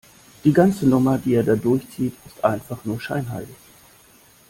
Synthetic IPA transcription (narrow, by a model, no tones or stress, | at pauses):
d̥iːɡant͡sənʊmɐdiːeːɐdaːdʊɐçt͡siːtɪstʔaɪnfaχnuːɐʃaɪnɦa̰ɪltɪç